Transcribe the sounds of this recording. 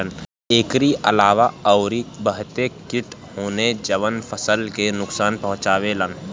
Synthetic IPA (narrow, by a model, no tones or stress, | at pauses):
ən | eːkɾiʔəlaːʋaɔːʊɾibəɦt̪ekɪʈhoːned͡ʒəʋənpʰəsəlkenʊksaːnpɐɦʊ̃t͡ʃaːʋelən